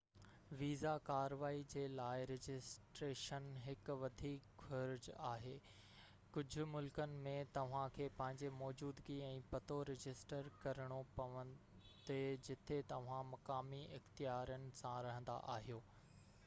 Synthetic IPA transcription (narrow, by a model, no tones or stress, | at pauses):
ʋiːzakaːɾʋaːid͡ʑeːlaːɪɾɪd͡ʑɪsʈɾeːʃənɦɪk̆ʋɐd̪ʱiːkfɐɾd͡ʑaːɦeː | kʊd͡ʑʱʊ̆mʊlkənɪ̆mẽt̪ɐʋ̤ãkʰeːpɐ̃ɦɪ̃ɲd͡ʑemɔːd͡ʑuːd̪ɡiɛ̃ːpɐt̪oɾɪd͡ʑɪsʈəɾkɐɾəɽ̃opɐʋə̃n | d̪ed͡ʑɪt̪ʰet̪ɐʋ̤ãmɐkaːmiɪxt̪ijaːɾənɪ̆sãɾɐɦə̃n̆d̪a̰ʔaːɦijoː